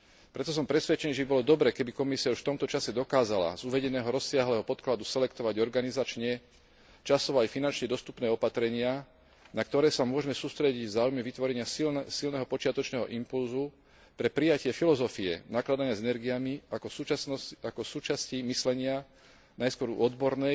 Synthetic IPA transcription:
pɾɛt̪ɔs̬ɔmpɾɛsʋɛt͡ʃɛniːʒɛbibɔlɔd̪ɔbɾɛːkɛbikɔmisiauʃft̪ɔmt̪ɔt͡ʃasɛd̪ɔkaːzala̰zuʋɛɟɛnɛːɦɔɾɔsːɪaɦlɛːɦɔpɔt̪klad̪usɛlɛkt̪ɔʋaɟɔɾɡanizat͡ʃɲɛ | t͡ʃasɔʋɔajfinant͡ʃɲɛd̪ɔst̪u̥pnɛːɔpat̪ɾɛɲɪa | nak̚t̪ɔɾɛːsamʊɔʒɛmɛsuːst̪ɾɛɟiɟvzaːujmɛʋit̪ʋɔɾɛɲɪassilnɛɦɔpɔt͡ʃɪat̪ɔt͡ʃnɛːɦɔʔimpulzu | pɾɛpɾijacɪɛfilɔzɔfiɛ̰naklad̪aɲɪazɛnɛɾɡijamiakɔ | akɔsuːt͡ʃascimislɛɲɪa | najskwɔɾṵɔd̪bɔɾnɛj

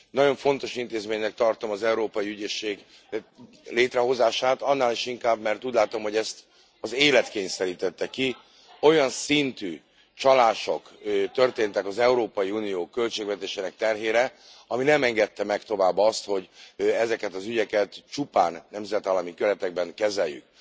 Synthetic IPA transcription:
nɒɟo̞ɱfo̞nt̪o̞ʃint̪eːzmeːɲnɛk̚t̪ɒrt̪o̞mɒzɛuɾoːpɒjiyɟeːʃːeːɡ | leːt̪rɛɦo̞zaːʃaːt̪ɒnːaːliʃiŋkaːbmɛrt̪uːɟlaːt̪o̞mhoɟɛst̪ | ɒzeːlɛt̪keːɲsɛɾiːt̪ɛt̪ːɛki | o̞jɒnsint̪yː | t͡ʃɒlaːʃo̞kt̪ø̞rt̪eːnt̪ɛkɒzɛuɾoːpɒjiuːnijoːkø̞lt͡ʃeːɡvɛt̪eːʃeːnɛk̚t̪ɛrɦeːɾɛ | ɒminɛmɛŋɡɛt̪ːɛmɛkt̪o̞vaːbːɒst̪ho̞ɟɛzɛkɛt̪ɒzyɟɛkɛt̪t͡ʃupa̰ːnːɛmzɛt̪ɒlɒmikøɾɛt̪ɛɡ̚bɛŋkɛzɛjːy̰k̚

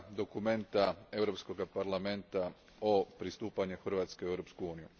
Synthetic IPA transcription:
d̪o̞kume̞nt̪ae̞ʋwɾo̞psko̞ɡapaɾlˠame̞nt̪a | opɾist̪uːpaɲexr̩ʋaːt̪ske̞iewɾo̞pskuuːniju

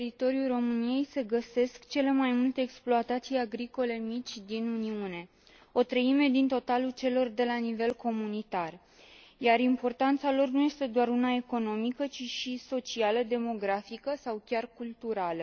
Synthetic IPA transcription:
it̪o̞ɾijulro̞mɨnije̞jse̞ɡəse̞skt͡ʃe̞le̞majmult̪e̞ːksploat̪at̪sijaɡɾiko̞le̞mit͡ʃʲd̪inuniune̞ | o̞t̪ɾəime̞d̪int̪o̞t̪alult͡ʃe̞lo̞rd̪e̞lanive̞lko̞munit̪ar | jaɾimpo̞rt̪ant̪salo̞rnuje̞st̪e̞d̪oaɾunae̞ko̞no̞mikət͡ʃiʃiso̞t͡ʃialəd̪e̞mo̞ɡɾafikəsawkʲarkult̪uɾalə

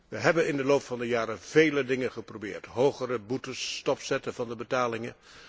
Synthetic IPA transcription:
ʋəɦɛbənɪndəlowpfɑndəjaːɾəv̥ejlədɪŋənχəprowbɪ̰ːɹtɦowχəɾəbutəstɔpsɛtəvɑndəbətaːlɪŋə

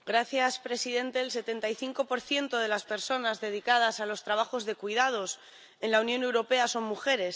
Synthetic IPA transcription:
ɡɾaθjaspɾe̞sið̞e̞nt̪e̞ːlse̞t̪e̞nt̪ajθiŋko̞po̞ɾθje̞nt̪o̞ð̞e̞laspe̞ɾso̞nazðe̞ð̞ikað̞asalo̞st̪ɾaβ̞axo̞zðe̞kwið̞að̞o̞s | e̞nlaunjo̞ne̞wɾo̞pe̞aso̞ŋmuxe̞ɾe̞s

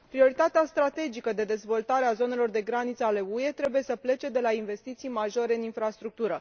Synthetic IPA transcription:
pɾio̞ɾit̪at̪east̪ɾat̪e̞d͡ʒikəd̪e̞d̪e̞zvo̞lt̪aɾeazo̞ne̞lo̞rd̪e̞ɡɾanit̪səale̞ue̞t̪ɾe̞buje̞səple̞t͡ʃe̞d̪e̞lainve̞st̪it̪sijmaʒo̞ɾe̞ɨninfɾast̪ɾuk̚t̪uɾə

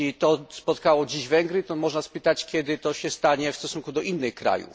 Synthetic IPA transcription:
it̪ɔspɔt̪kawɔd͡ʑiʑvɛŋɡɾɘt̪ɔmɔʐnaspɘt̪at͡ɕkʲɛd̪ɘt̪ɔɕɛst̪aɲɛfst̪ɔsuŋkud̪ɔʔinːɘxkɾa̰jṵ

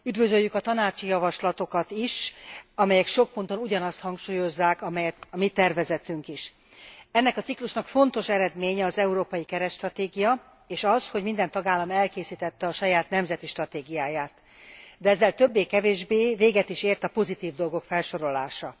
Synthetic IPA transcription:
yd̪vø̞zøjːykɒt̪ɒnaːt͡ʃijɒvɒʃlɒt̪o̞kɒt̪iʃɒmɛjɛkʃo̞k̚pont̪o̞nuɟɒnɒst̪hɒŋkʃuːjo̞zːaːkɒmɛjɛt̪ɒmit̪ɛrvɛzɛt̪yŋkiʃ | ɛnːɛkɒt̪sikluʃnɒkfo̞nt̪o̞ʃɛɾɛd̪meːɲɛɒzɛuɾoːpɒjikɛɾɛt̪ʃt̪rɒt̪eːɡijɒ | eːʃɒsho̞ɟmind̪ɛnt̪ɒɡaːlːɒmɛlkeːsiːt̪ɛt̪ːɛɒʃɒjaːt̪nɛmzɛt̪iʃt̪rɒt̪eːɡijaːjaːt̪ | d̪ɛɛzːɛlt̪øbːeːkɛveːʒbeːveːɡɛt̪iʃeːrt̪ɒpo̞zit̪iːvd̪o̞lɡo̞kfɛlʃo̞ɾo̞la̰ːʃɒ

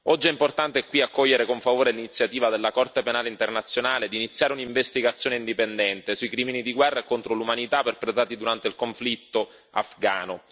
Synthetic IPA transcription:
ɔd͡ʒːiɛimport̪ant̪eɛkwiakːɔʎːeɾekoɱfavoːɾelinit̪sjat̪iːvad̪elːakɔrt̪epenaːleint̪ernat̪sːjonaːled̪init̪sːjaːɾeuniɱvest̪iɡat̪sːjoːneind̪ipend̪ɛnt̪esuikɾiːminid̪iɡwɛrːaekont̪ɾolumanit̪aperpɾet̪aːt̪id̪uɾant̪eilkoɱflit̪ːo | a̰fɡa̰ːno

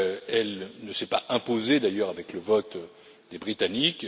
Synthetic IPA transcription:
ɛlnəsɛpaʔɛ̃pozed̪ajœʁavɛkləvɔt̪ | d̪ebʁit̪anik

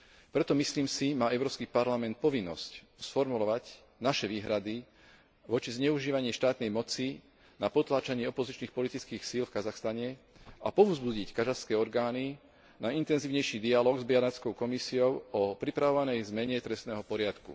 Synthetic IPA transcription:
pɾɛt̪ɔmisliːmsimaːɛʊɾɔːpskipaɾlamɛnt̪̚pɔʋinːɔ̰sc | sfɔɾmulɔʋac | naʃɛʋiːɦɾad̪i | ʋɔt͡ʃizɲɛuʒiːʋaɲɪɛʃt̪aːt̪nɛjmɔt͡si | napɔt̪laːt͡ʃaɲɪɛɔpɔzit͡ʃniːxpɔlit̪it͡skiːxsiːlfkazaxst̪aɲɛ | apɔʊzbuɟickazaxskɛːɔɾɡaːni | naint̪ɛnziːʊɲɛjʃiːd̪ialɔːɡzbianat͡skɔʊkɔmisiɔʊɔpɾipɾaʋɔʋanɛjzmɛɲɛt̪ɾɛst̪nɛːɦɔpɔɾɪat̪kṵ

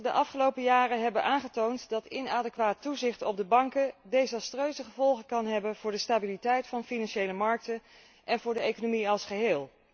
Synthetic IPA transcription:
dəʔɑfχəlowpəjaːrəɦɛbənʔaːnχətowntdɑtɪnaːdəkʋaːtːuzɪχtɔb̚dəbɑŋkədejzɑstrøɥzəχəvɔlˠχəkɑnɦɛbənv̥ʊːɹdəstaːbilitɛjtfɑnfinɑnʃejləmɑɹk̚tə | ʔɛnvʊːɹdəejkonomiɑlˠsχəɦeːlˠ

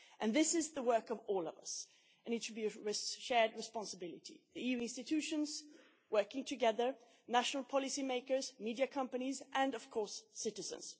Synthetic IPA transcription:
ʔɨ̃nðɪsɪzðəwɜ˞kʌvɔːlˠʌ̰vʌ̰s | ɨ̃nɨdʃəbiɹɪʃɛɹd̚ɹɨspɑ̃nsəbɪlɨtʰḭðiijʉɪ̃nstɨtʰʉʃə̃nz̥ | wɜ˞kɪ̃ŋtʰɨɡɛðə˞ | næʃnəl̩ˠpʰɑlˠɨsimeɪkə˞zmidiɨkʰʌ̃mpənizʔɨ̃nʌv̥kʰɔɹsːɪɾɨzə̰̃nz̥

